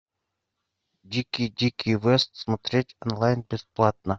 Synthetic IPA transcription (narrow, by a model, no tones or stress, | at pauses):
dʲikʲijdʲikʲijvɛst̪smot̪ɾʲetʲonlˠajnbʲɪsplˠat̪̚nə